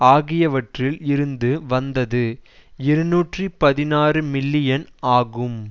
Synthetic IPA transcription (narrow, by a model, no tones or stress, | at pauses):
aːɣɪjɐʋɐʈrɪlɪɾɯnd̪ɯʋɐnd̪ɐðɯɪɾɯnuːʈripɐðɪnaːrɯmɪlːɪjɐnaːɣɯm